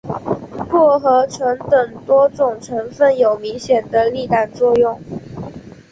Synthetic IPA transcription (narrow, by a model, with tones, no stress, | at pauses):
lwɔ˥˩xɤ˧˥ʈ͡ʂʰɤ˧˥ŋt̪ə˨˩ŋt̪wɔ˥ʈ͡ʂʊ˨˩ŋʈ͡ʂʰɤ˧˥ŋfə˥˩njo˨˩ʊmi˧˥ŋɕjɛ˨˩nd̪ə˦li˥˧t̪a˥˩nt͡swɔ˥˧jʊ˥˩ŋ